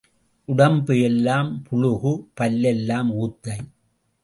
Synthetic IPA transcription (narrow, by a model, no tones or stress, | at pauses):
ʔʊɽɐmbɯɛlːaːmpʰʊɻʊɣɯpɐlːɛlːaːmuːt̪ːɐɪ